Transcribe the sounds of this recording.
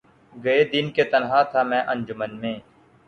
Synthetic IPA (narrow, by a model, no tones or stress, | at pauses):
ɡɐed̪ɪnket̪ənɦaːt̪ʰaːmɛ̃ːʔə̃nd͡ʒʊmənmẽː